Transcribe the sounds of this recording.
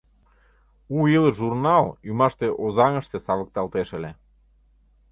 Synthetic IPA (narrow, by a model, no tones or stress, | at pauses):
uiləʒurnɑlymɑʃt̪eʔozɑŋə̆ʃt̪esɑβə̆k̚t̪ɑlt̪eʃə̆le